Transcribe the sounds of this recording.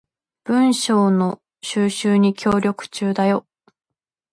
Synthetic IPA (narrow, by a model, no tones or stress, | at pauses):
b̥ɯ̟̃ɰ̃ɕo̞ːno̞ | ɕɨːɕɨːɲ̟ikʲo̞ːɾʲo̞kɯ̟̥t͡ɕɨːd̪ajo̞